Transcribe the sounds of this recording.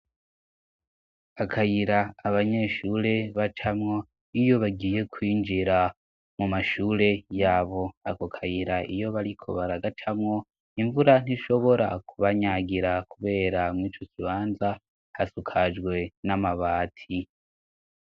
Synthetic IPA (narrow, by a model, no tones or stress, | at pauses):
akʰajiɾaːβaɲe̞ʃuːɾe̞βat͡ʃamŋo̞ | ijo̞βaɡiːje̞kwiːnd͡ʒiɾa | mumaʃuːɾe̞jaːβo̞akokʰajiɾaijo̞βaɾikʰo̞̰βaɾaɡat͡ʃʰamŋo̞ | iɱvuɾan̥iʃo̞βo̞ɾa̰kuβaɲaɡiɾakuβe̞ːɾamŋiːt͡ʃo̞kiβaːnza | hasukʰad͡ʒɡwe̞namaβaːtʰi